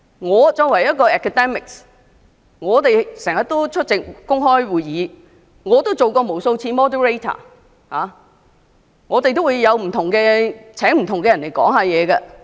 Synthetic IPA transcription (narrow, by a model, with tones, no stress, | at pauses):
ŋɔː˨˧t͡sɔː˧kwɐ˨˩jɐ˥t̚kɔː˧ɛː˨kʰːa˨t̪ɛ˥mɪ˨ks | ŋɔː˨˧t̪e˨jsɛː˨˩ŋjɐ˨t̪o˥wt͡ʃʰɵ˥t̚t͡sɪ˨k̚kʊ˥ŋɦɔː˥jwuː˨jjiː˨˧˥ | ŋɔː˨˧t̪o˥wt͡so˨wkɔː˧mo˨˩wso˧wt͡sʰiː˧mɔː˥dɛ˨˥ɹe˥t̪ʰa̰ː˨˩ | haː˨˧ | ŋɔː˨˧t̪e˨jt̪̬o˥wuː˨˧jjɐ˨˧wm̩˨˩t̪ʰʊ˨˩ŋkɛː˧t͡sʰɛː˨˥ŋm̩˨˩t̪ʰʊ˨ŋkɛː˧jɐ˨nle˨˩jkɔ̰ː˨˥ŋhaː˧jɛː˨˧kɐ˧